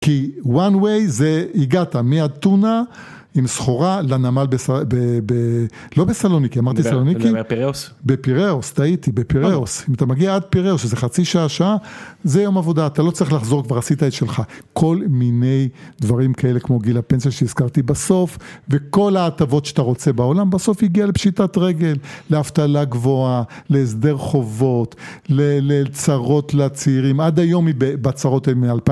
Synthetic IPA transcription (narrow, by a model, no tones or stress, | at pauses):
kiwanwejzeiɡatamiad̪̚t̪una | imsχo̞ʁalanamalbesabebe | lo̞besalonikiamaʁt̪isaloniki | bepiʁeost̪ait̪ibepiʁeosimat̪amaɡiaad̪̚piʁeosʃzeχat͡siʃaaʃaazejo̞mavo̞d̪aːt̪alo̞t͡sɐʁiχlaχzo̞kvaʁasit̪aet̪ʃelχakʰo̞lminejd̪vaʁimkae̞lekmo̞ɡilape̞nsaʃeiz̥kaʁt̪ibaso̞fveko̞laːt̪avo̞t̪ʃe̥at̪aʁo̞t͡se̞bao̞lambaso̞fiɡialepʃit̪at̪ʁeɡe̞lːeaft̪alaɡvo̞aleːs̬d̪e̞ʁχo̞vo̞t̪lelet͡saʁo̞t̪lat͡siːʁimad̪ajo̞mibebat͡saʁo̞t̪elmealpa